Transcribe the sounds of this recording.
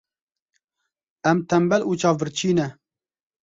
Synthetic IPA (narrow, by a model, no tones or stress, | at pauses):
ɛmt̪ʰɛmbɛluːt͡ʃʰɑːvvɨɾt͡ʃʰiːnɛ